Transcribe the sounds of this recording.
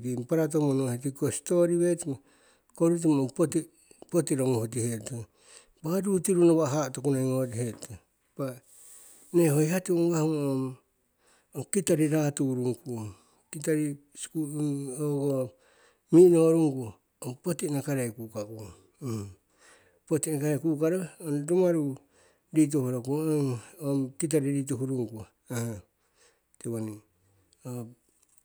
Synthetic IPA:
ɾimpaɾat̬omonohet̬ikosi̥toɾiβeti | koɾut̬imopoti | potiɾoŋuhot̬iheto | baɾutiɾunoβaɦatokunaiŋoɾiheto | ba | nehojhatioŋɡahmom | okitaɾiɾatuɾuŋku | kitaɾi | skuoɡo | minoːɾuŋɡuo | opotinakaɾajkukau | potinakaɾajkukaɾoonɾumaɾu | ɾit̬ohoɾokuoomkit̬aɾiɾit̬uhuɾuŋɡua | aha | teβani | o

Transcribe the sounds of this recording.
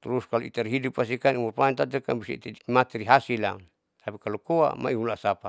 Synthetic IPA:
t̪uɾuskaloḭt̪aɾɦidupas̬ikanimurpaint̪at̪̬ɛkanbusḭḭt̪adimat̪ɛɾiɦasilaun | t̪apikalokoa̰ma̰iulasapa

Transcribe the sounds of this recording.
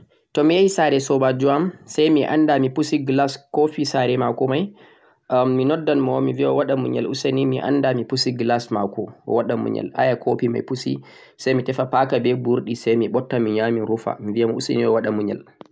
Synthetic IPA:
tɔmijaisaɾɛsɔbad͡ʒuamsajmiʔa̰ndamipusiɡlaskofisaɾɛmakɔmajː | inɔdːanmɔmiviɔwaɗamuɲɛ̰lusenimiʔa̰ndamipusiɡlasmakɔ̰waɗamṵɲɛ̰la̰jakʰopima̰jpusḭ | sajmitɛfapakabɛbuɾɗisajmiɓɔtːamiɲamiɾufa̰mivijamɔuseniɔwaɗamuɲɛ̰l

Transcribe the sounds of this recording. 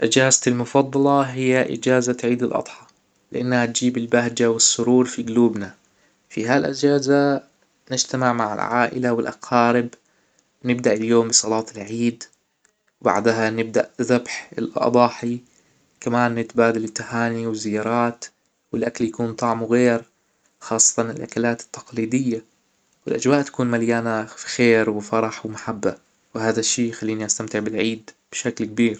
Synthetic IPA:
ʔad͡ʒaːzt̪ɪlmʊfɑd̪ˤːɑlɑɦɪjːaʔɪ̰d͡ʒaːzat̪ʕiːd̪ɪlʔɑ̰d̪ˤħɑ̥ | lɪʔanːhat̪̚d͡ʒiːbɪlbaɦd͡ʒawɪsːʊɾuːɾˤfiɡʊluːbna | fiɦalʔɪd͡ʒaːza | nɪd͡ʒt̪amɪʕmaʕɪ̰lʕa̰ːʔɪ̰lawɪlʔɑ̰qʰɑːɾɪb | nɪbd̪aʔɪljoːmbɨsˤɑlɑːt̪ɪlʕiːd̪ | wba̰ʕd̪ɦanɪb̚d̪aʔðabħɪlʔʔɑ̰b̪ˤɑːħi | kamaːnːɪt̪baːd̪alɪt̪ːahaːniwɪzːɪjːɑːɾˤɑːt̪ | wɪlʔakaljakuːnt̪ˤɑʕmuɣeːɾ | xɑːsˤːɑ̥t̪ˤɑnɪlʔakalaːt̪ɪ̥t̪ːɑ̥qliːd̪ɪjːa | wɪlʔad͡ʒwaːʔt̪ḁkuːnmaljaːnafi̥xeːɾwɪfɑɾˤɑħwmaħabːa | wɪhaːðaʃːiːjxalːiːniʔast̪amt̪ɪʕbɪlʕiːd̪ | b̥ɪʃaklkbiːɾ

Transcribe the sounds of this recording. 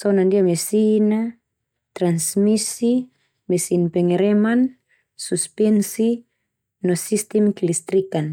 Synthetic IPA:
sonandiamesina | t̪ɾansmisi | mesinpɛŋeɾɛman | suspɛnsi | nosist̪ɛmkilist̪ɾikan

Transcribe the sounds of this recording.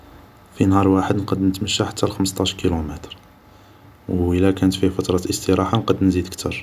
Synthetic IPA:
finhɑɾˤwaħəd̪nqəd̪nət̪məʃːaħat̪ʰːælxəməst̪ˤɑʃkilumət̪ɾ | wəlːækænət̪fifət̪ɾˤɑʔəst̪əɾɑħanqɑd̪nzid̪əkt̪ʰəɾˤ

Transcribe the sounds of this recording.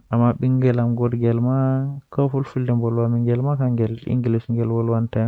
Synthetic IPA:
ʔamːaɓiŋɡɛlamɡɔɾɡɛlmakafulfuldɛmbɔlwamiŋɡɛlmakaŋɡɛlḭŋɡilisŋɡɛlwɔlwanta

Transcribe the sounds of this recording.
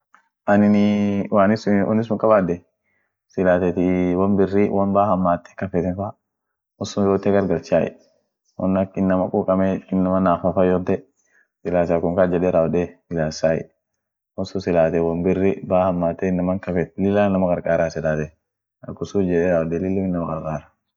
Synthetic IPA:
ʔɐnɪnɪwaːnɪsʊʔɔ̰nːɪs̬ʊŋkʼɐbaːd̪ɛ | sɪlaːt̪ɛt̪ɪwɔnbɪrːɪwɔnbaːhɐmːaːt̪ːɛ̥kɐfɛt̪ɛnfa | ɔsʊnɾot̪ːɛɡɐɾɡɐlt͡ʃaːjɛ̰ | wɔ̰nːɐɪnːɐmɐkʼuːkʼɐmɛɪnːɐmɐnaːfafajɔt̪ːɛ | sɪlaːsaːkʊŋkad͡ʒɛɗɛːɾaːwɔdɛɪlaːsaːjɛ̰ | wɔsʊsɪlaːt̪ɛwɔnbɪrːɪbaːhɐmːaːt̪ːɛɪnːɐmɐŋkɐfɛt̪lɪlːanːɐmɐkʼɐɾkʼaːɾasɪlaːt̪ɛ | ɐkːʊsud͡ʒɛɗɛɾaːwɔd̪ɛlɪlːʊɪnːɐmɐkʼɐɾkʼaːɾḁ

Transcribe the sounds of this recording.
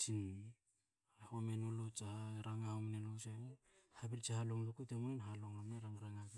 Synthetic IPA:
t͡ʃin | homenolot͡ʃahaɾaŋaomnenlot͡ʃa | habiɾt͡ʃahaloŋlokutemunenɦaloŋamneɾaŋɾaŋaɡa

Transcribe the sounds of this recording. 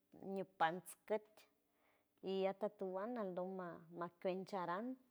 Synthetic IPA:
ɲupant͡skət̪ʲ | ijat̪at̪uwanald̪omamakʲʷent͡ʃaɾan

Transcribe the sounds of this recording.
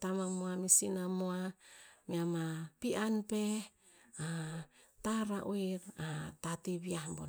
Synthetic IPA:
tamamoamisinamoamiamapianpe | ataɾaʔoiɾatatiβiahmbon

